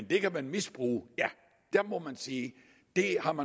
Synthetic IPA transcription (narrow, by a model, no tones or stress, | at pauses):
nd̥e̝kæmænmisb̥ʁṵːjæ | d̥æɐmɒ̽mænsiː | d̥e̝hɑ̈mæ